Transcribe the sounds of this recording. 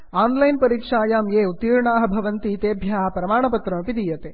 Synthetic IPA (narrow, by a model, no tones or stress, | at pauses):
aːnlɐjnpɐɾiːkʂaːjaːmeːut̪iːɾɳaːɦɐ̆bʱɐʋɐnt̪iːt̪eːbʱjaːpɾɐmaːɳɐpɐt̪ɾɐmɐpid̪ijɐt̪eː